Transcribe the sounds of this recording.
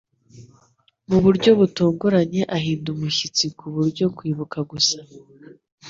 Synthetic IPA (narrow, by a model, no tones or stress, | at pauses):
muβuɾɟo̞βutuːŋɡuɾaɲe̞ʔaɦiːndumuçit͡sikuβuɾɟo̞kwiːβukaɡusḁ